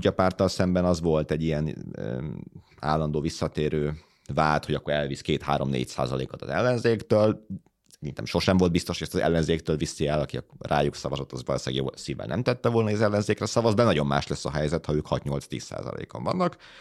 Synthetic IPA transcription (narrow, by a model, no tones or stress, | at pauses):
uɟɒpaːrt̪ɒlsɛmbɛnɒzʋo̞lt̪ɛɟːijɛnː | a̰ːlːɒnd̪oːvisːɒt̪eːɾøː | vaːlt̪ho̞ɟɒkːoɾɛlviskeːt̪ha̰ːɾo̞mnḛːcsa̰ːzɒlḛːkot̪ɒ̰zɛ̰lːɛnzeːkt̪øːl | sɛɾint̪ɛ̰mʃo̞ʃɛɱvo̞lbist̪oʃhojɛst̪ɒzɛ̰lːɛnzeːkt̪øːlvisːiɛlɒkiɒ̰rʔa̰ːjuksɒvɒzɒt̪ɒzʋɒlo̰ːʃaːɡjo̰ːsiːvɛ̰nɛ̰mt̪ɛt̪ːɛvo̞lnɒizɛlːɛnzeːkrɛsɒvɒzbɛnɒɟo̞mːa̰ːʃlɛsːɒɦɛjzɛt̪hɒøːkhɒt̪ɲo̞lt̪st̪iːsːa̰ːzɒ̰lḛːko̰ɱvɒ̰nːɒk